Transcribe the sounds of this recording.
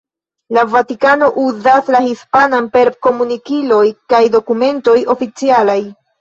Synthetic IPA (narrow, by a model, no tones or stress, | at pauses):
lavatikano̞ʔuzaslahispananpe̞ɾko̞munikilo̞jkajdo̞kume̞nto̞jo̞fit͡sialaj